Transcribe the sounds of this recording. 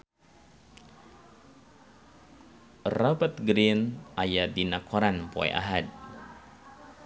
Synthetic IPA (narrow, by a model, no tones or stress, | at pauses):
rabat̪̚ɡɾinajadinakʰɔɾanpɔ̰ɛ̰ʔa̰ɦad̚